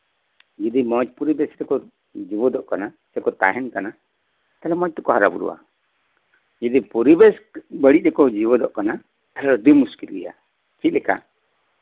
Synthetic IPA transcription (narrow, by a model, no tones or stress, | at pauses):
d͡ʒid̪imɔd͡ʒpuɾibɛsɾɛkɔ | d͡ʒibɔd̪ɔʔkana | sɛkɔt̪a̰ɦɛnkana | t̪alɛmɔt͡ʃ̚t̪ɔkɔɦaɾa̰bṵɾṵwa̰ | d͡ʒid̪ipuɾibɛsbəɽiʔ̚ɾɛkɔd͡ʒibɔd̪ɔʔkana | t̪alɛɔd̪umuskilḭja̰ | t͡ʃit̪lɛka̰